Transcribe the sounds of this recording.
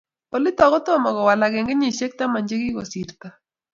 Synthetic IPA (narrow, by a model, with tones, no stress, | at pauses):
o˨lɪ˦tɔ˨kɔ˦to˦mɔ˨kɔ˨wa˨la˨ke˨ŋɡe˦ɲi˦˨ʃe˦k̚ta˦ma˨ɲd͡ʒe˦kɪ˦ko̰˨si˨ɾt̪a˦